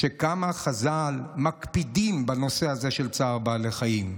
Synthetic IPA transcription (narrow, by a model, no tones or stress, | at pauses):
ʃekamaχazalmakpidimbano̞se̞haze̞ʃelt͡saʁbaːleχajim